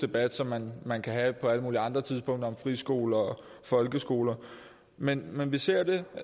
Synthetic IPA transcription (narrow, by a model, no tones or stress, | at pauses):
d̥e̝b̥æd̥sɒ̽mːænmænkʰæɦæpʰɒ̽æləmuːliɑ̈nd̥ʁɐt͡sʰið̞ˠspʰɔ̽ŋ̰d̥ɐɒɒ̽mfʁisɡ̥o̝̰ːlɐɒ | fɒ̽lɡ̥əsɡ̥o̝ːlɐ | menmenʋise̝ɐ̰d̥e̝